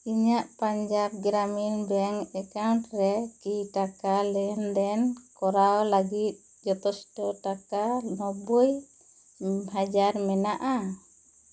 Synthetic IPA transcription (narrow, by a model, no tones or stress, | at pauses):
iɲaʔpaɲd͡ʒab̚ɡɾaminbɛŋɛkawɳʈɾɛkiʈakalɛjɔnd̪ɛnkɔɾawlaɡit̪̚ˀ | d͡ʒɔt̪ɔsʈɔʈakanɔbuj | had͡ʒaɾmɛnaʔa